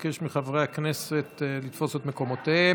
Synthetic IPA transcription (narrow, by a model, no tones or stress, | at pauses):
keʃmiχavʁeaknese̞t̪lit̪fo̞set̪meko̞mot̪e